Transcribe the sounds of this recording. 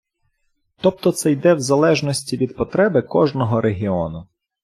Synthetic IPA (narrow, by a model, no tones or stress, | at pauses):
t̪ɔp̚t̪ɔt̪sɛjd̪ɛwzɐlˠɛʒnɔsʲtʲiʋʲid̪pɔt̪ɾɛbɪkɔʒnɔɦɔɾʔeɦʲiɔnʊ